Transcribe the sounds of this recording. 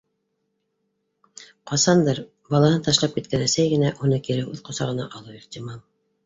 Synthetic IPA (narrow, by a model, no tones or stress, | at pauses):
qɑsɑnd̪ɤɾ | bɑlˠɑhɤnt̪ɑʃlˠɑp̚kit̪̚kænæsæjɡɘ̆næʔunɤkiɾɘʉðqŏsɑʁɤ̆nɑ̰ʔɑlˠuiχt̪ʲimɑlˠ